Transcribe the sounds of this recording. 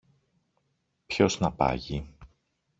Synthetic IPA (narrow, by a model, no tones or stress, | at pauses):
pço̞znɐpɐ̰ʝi